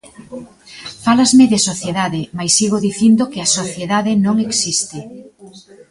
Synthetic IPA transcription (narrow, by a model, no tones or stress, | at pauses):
falazmɪðɪsoθjeðaðɪmajsːiɣoðiθind̪okɪasoθjeðaðɪnõŋeksist̪ɪ